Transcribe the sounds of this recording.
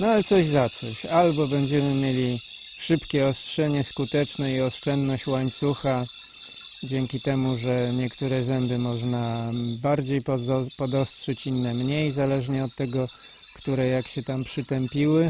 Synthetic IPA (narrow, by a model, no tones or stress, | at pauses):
nɔalɛt̪sɔʑzat̪sɔɕalbɔbɛɲd͡ʑɛmɘmʲjelʲi | ʂɘpkʲɛɔstʂɛɲɛskut̪ɛt͡ʂnɛiɔʂt͡ʂɛnd̪nɔɕt͡ɕwaɲt̪suxa | d͡ʑɛŋkʲit̪ɛmuʐɛɲɛkt̪uɾɛzɛmbɘmɔʐnabaɾd͡ʑejppɔd̪ɔstʂɛt͡ɕinːɛmɲejzalɛʐɲɛɔt̪ːɛɡɔ | kt̪uɾɛjakɕɛt̪ampʂɘt̪ɛmpʲiwɘ